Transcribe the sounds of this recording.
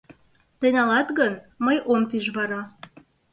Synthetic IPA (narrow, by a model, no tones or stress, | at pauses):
t̪ənɑlɑt̪ɡənməjʔompiʒβɑɾɑ